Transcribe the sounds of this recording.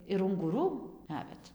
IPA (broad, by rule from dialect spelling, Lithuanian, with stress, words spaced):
ɪr ʊŋɡʊˈruː ˈnɑːʋʲɛt